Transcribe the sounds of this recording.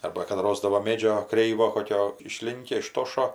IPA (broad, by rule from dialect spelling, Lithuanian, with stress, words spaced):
ˈɐrbɐ kɐt ˈroːzdɐʋoː ˈmʲeːd͡ʒʲoː ˈkrʲɛɪʋoː ˈkoːkʲoː ɪʃʲˈlʲɪŋʲkʲɛ ɪˈʃtoːʃoː